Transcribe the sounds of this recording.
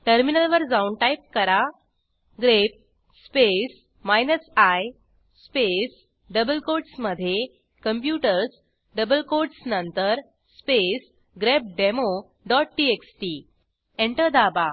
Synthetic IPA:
ʈəɾminəlʋəɾd͡zauɳɖʈajp̚kəɾa | ɡɾep̚ | spes | majnəsaj | spes | ɖəbəlkoɾɖsməd̪ʱːje | kəmpjuʈəɾs | ɖəbəlkoɾɖsnənt̪əɾ | spes | ɡɾep̚ɖemo | ɖɔʈ̚ʈieksʈi | eɳʈəɾd̪aba

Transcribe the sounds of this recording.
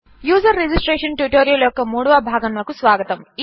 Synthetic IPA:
juːzɐɾːed͡ʒisʈɾeːʂɐnʈjuʈoːɾijɐljɔkːɐmuːɽɐʋɐbʱaːɡɐnʋɐkusʋaːɡɐt̪ɐm

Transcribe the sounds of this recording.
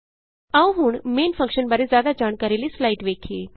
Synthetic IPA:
ãʋɦuːɳmeːnfə̃ŋkʃənbəɾed͡zjaːd̪ad͡ʒaɳ̃kaɾilislaiʈʋekʰeː

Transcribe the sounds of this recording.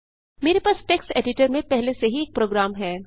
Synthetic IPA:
meːɾepaːsʈeːksʈeːɖɪʈəɾmẽpɛɦleseɦieːk̚pɾoːɡɾaːmɦɛː

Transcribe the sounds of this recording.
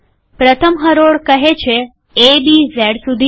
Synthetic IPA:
pɾət̪ʰəmɦəɾoɽkəɦet͡ʃʰe | ebizɛɽsud̪ʱi

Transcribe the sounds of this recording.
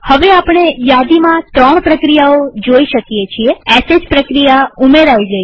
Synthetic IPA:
həʋeapɳ̃ejad̪imãt̪ɾəɳ̃pɾəkɾijaod͡ʒoiʃəkjet͡ʃʰieɛsed͡ʒpɾəkɾijaumeɾaid͡ʒəj

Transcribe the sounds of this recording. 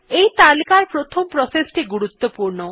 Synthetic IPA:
ejt̪alikaɾpɾot̪ʰompɾosesʈiɡuɽut̪ːopuɾɳo

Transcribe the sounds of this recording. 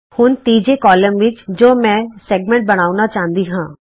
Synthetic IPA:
hʊnt̪iːd͡ʒekɔːləmʋɪt͡ʃd͡ʒoːmɛ̃ːsɛːɡmẽɳʈ̚bɐɽ̃aːunat͡ʃaːɦnd̪iɦãː

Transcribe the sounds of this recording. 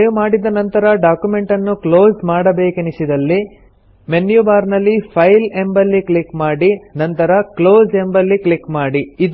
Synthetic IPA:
jumaːɽid̪ɐnɐnt̪ɐɾɐɖaːkjume̞ɳʈɐnːuklo̞ːd͡ʒmaːɽɐbe̞ːkenisid̪ɐlːi | menjubaːɾnɐlːipʰɐjlembɐlːiklikmaːɽinɐnt̪ɐɾɐklo̞ːd͡ʒembɐlːiklikmaːɽiid̪

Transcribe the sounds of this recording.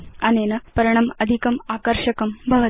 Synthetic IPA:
ɐneːnɐpɐɾɐɳ̃ɐmɐd̪ʱikɐmaːkɐɾʂɐkɐmbʱɐʋɐ

